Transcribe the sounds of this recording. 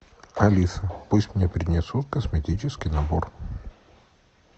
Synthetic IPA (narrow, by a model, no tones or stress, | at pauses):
ɐlʲisəpusʲtʲmnʲepɾʲɪnʲɪsut̪kəsmʲɪtʲit͡ɕɪskʲɪjnɐbo̰r